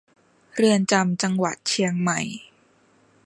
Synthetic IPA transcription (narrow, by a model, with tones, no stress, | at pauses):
ɾɯ˧ənt͡ɕa˧mt͡ɕa˧ŋwa̰˨˩t̪̚t͡ɕʰi˧əŋma˨˩j